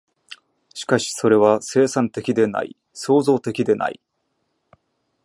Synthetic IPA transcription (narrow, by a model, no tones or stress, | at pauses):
ɕi̥kaɕi̥so̞ɾe̞β̞ase̞ːsãnt̪e̞kʲid̪e̞na̰ḭ | so̞ːzo̞ːt̪e̞kʲid̪e̞na̰i